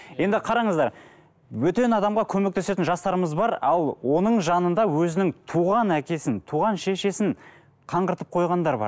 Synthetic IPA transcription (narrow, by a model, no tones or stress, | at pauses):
je̞nd̪ɪqʰɑɾɑɴəzd̪ɑɾ | wɵt̪e̞nɑd̪ɑmʁɑkʲʰɵme̞k̚t̪e̞se̞t̪ɪnʒɑst̪ɑɾəməzbɑɾɑlˠwo̞nəɴʒɑnənd̪ɑwɵzɪnɪŋt̪ʰuʁɑnækʲe̞sɪnt̪ʰuʁɑnʃe̞ʃe̞sɪn | qʰɑɴqəɾt̪əp̚qʰo̞jʁɑnd̪ɑɾbɑ̰ɾ